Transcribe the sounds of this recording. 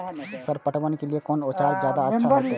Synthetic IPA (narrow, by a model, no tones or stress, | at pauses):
səɾpəʈʰʋənkeliekɔːnoːt͡ʃaːɾzjaːd̪aəʃa